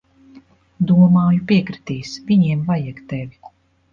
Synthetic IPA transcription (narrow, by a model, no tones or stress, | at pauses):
d̪uɔmaːjupiɛkɾi̥t̪iːsviɲiɛmvajɛkt̪ɛvʲiku̥